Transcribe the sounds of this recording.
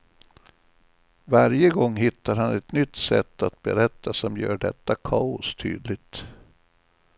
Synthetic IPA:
vaɾjəɡɔŋːɦɪt̪ːaɾhanɛt̪nʏt̪ːsɛ̰t̪ːat̪̚bɛɾɛt̪ːasɔmjœ̰ːɖɛ̰t̪ːakʰɑːʊst̪ʰy̰ːd̪lɪt̪

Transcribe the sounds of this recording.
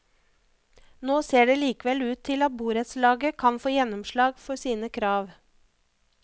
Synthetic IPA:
noːseːɖeːliːkəʋɛlʉːt̪ʰːɪlɑt̪̚buːɾət̪slɑːɡəkʰɑnfoːjɛnɔmʃlɑːɡfɔɾsiːnəkʰɾɑːʋ

